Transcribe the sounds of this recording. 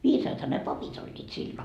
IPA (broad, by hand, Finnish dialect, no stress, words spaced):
ʋiːsɑːthɑ ne pɑpit olʲːiːt silːo